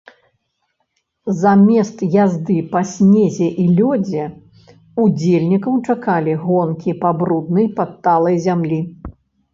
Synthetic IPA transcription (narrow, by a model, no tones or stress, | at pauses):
zamʲɛst̪jazd̪ɨpɐsʲnʲezʲɛʔilʲɔd͡zʲɛ | ud͡zʲelʲnʲikɐwt͡ʂakalʲiɣɔnkʲipabɾud̪nɐjpɐt̪ːalˠɐjzʲamlʲi